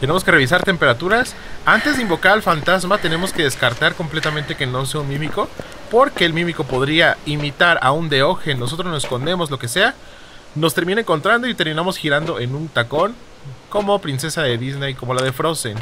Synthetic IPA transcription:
t̪ene̞mo̞ske̞re̞βis̬aɾt̪e̞mpe̞ɾat̪uɾas | ant̪ezðe̞imbo̞kaɾalfant̪azmat̪e̞ne̞mo̞ske̞ðe̞skaɾt̪aɾko̞mple̞t̪amẽnt̪e̞ke̞no̞s̬e̞aunmĩmiko̞ | po̞ɾke̞ːlmĩmiko̞po̞ðɾiaimit̪aɾaund̪e̞o̞xe̞nːos̬o̞t̪ɾoznosesko̞nd̪emo̞zlo̞ke̞se̞a | no̞st̪e̞ɾminaeŋko̞nt̪ɾand̪o̞it̪e̞ɾmĩnamo̞sxiɾand̪o̞e̞nũnt̪ako̞n | ko̞mo̞pɾinse̞saðeðizne̞jko̞mo̞laðe̞fɾo̞sen

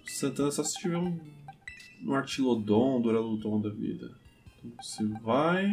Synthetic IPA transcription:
sɐ̃nt̪ɐ̃nɐsɔsɪ̥t͡ʃivɛ̃ũ | ṵ̃aɾt͡ʃilod̪õd̪oɾalod̪õw̃d̪ɐvḭd̪ɐ̰t̪õvosevaj

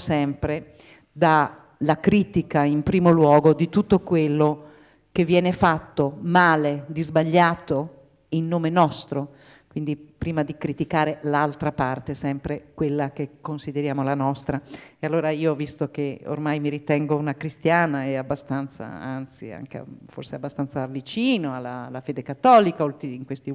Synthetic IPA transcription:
sɛmpɾe | d̪a | lakɾiːt̪ikaimpɾiːmolwɔːɡod̪it̪ut̪ːokwelːo | kevːjɛːnefat̪ːomaːled̪izbaʎːaːt̪o | inːoːmenɔst̪ɾo | kwind̪ipɾiːmad̪ikɾit̪ikaːɾelalt̪ɾapart̪esɛmpɾekwelːak̟ekːonsid̪eɾjaːmolanɔst̪ɾaealːoːɾaiːoɔvːist̪ok̟eo̰rmajmiɾit̪ɛŋɡounakɾist̪jaːnaeabːast̪ant̪sa̰a̰nt̪sḭa̰ŋk̟ḛfo̰rseabːast̪ansaːlːit͡ʃiːnoalːa̰lːafeːd̪ekat̪ːɔːlikaolt̪iiŋkwest̪i

